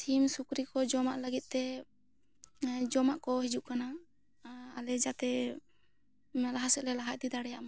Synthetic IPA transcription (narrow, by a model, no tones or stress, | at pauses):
simsukɾikɔd͡ʒɔmaʔləɡit̪̚ˀt̪ɛ | d͡ʒɔmaʔkɔɦid͡ʒuʔkanaː | lɛd͡ʒat̪ɛ | ɛlaɦasɛʔlɛlaɦac̚t̪id̪aɽɛjaʔma